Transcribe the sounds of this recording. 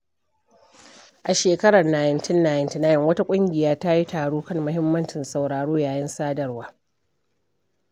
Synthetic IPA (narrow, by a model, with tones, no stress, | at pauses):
ʔa˨ʃeː˨kɐ˦ɽɐ˨naː˨jɪ˨˦ntɪ˦nːaː˨jɪ˦˨ntɪ˦naː˨jɪ˦ŋwɐ˦ta˦kʷʼʊ˦ŋɡʲɪ˨jaː˦ta˦ji˦taː˨ɽoː˦kɐ˦˨ŋmʊ˦ɦɪ˦mːɐ˦nt͡ʃɪ˨nsa˨wɽaː˨ɽoː˦jaː˨jɐ˦nsaː˦dɐ˨rwaː˦